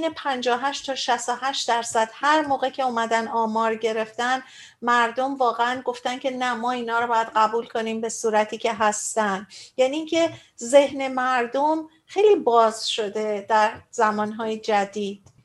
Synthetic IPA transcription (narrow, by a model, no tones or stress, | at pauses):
nepʰænd͡ʒɒːɦæʃt̪t̪ʰɒːʃæst̪oɦæʃt̪d̪æɾsæd̪̥hæɾmoːɣe̞cʰe̞umæd̪ænɒːmɒːɾɟe̞ɾe̞ft̪ænd̪ | mæɾd̪o̞mvɒːɣeænɡo̞ft̪æncʰʲe̞næmɒːiːnɒːɾɒbɒːjæd̪̥ɢæbuːlkʰo̞niːmbe̞suːɾæt̪ʰiːcʰe̞ɦæst̪ænd̪̥jæniːcʰe̞ | ze̞hne̞mæɾd̪om | xejliːbɒːzʃo̞d̪e̞d̪̥æɾzæmɒːnɦɒːjed͡ʒæd̪iːd̪̥